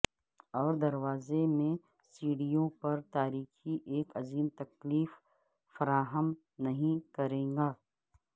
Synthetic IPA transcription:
ɔːɾd̪ɐɾwaːzemẽ | siːɽijõpɐɾt̪aːɾiːxiʔeːkɐziːmt̪ɐkliːf | fɐɾaːɦəm | nɐɦĩkɐɾẽːŋɡaː

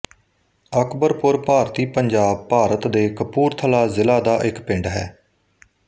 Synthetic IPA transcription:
əkbəɾpʊɾpaːɾt̪iːpəɲd͡ʒaːb̚paːɾət̪d̪eːkəpuːɾt̪ʰəlaːzɪlaːd̪aːʔɪkpɪ̃ɳɖɦɛː

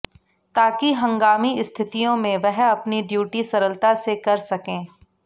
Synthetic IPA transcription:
t̪aːkiɦɐ̃ŋɡaːmiɪst̪ʰɪt̪ijõmẽʋɛɦɐpniɖjuːʈisɐɾəlt̪asekɐɾsɐkẽː

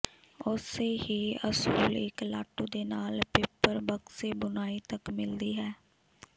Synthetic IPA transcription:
ʊseːɦiːəsuːlɪ̰kla̰ːʈːuːd̪eːnaːlpɪpːəɾbəkseːbʊnaːiːt̪əkmɪld̪iːɦɛː

